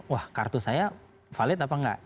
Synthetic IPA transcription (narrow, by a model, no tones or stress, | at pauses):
wahkart̪usaja | falɪt̪apaŋɡa̰ʔ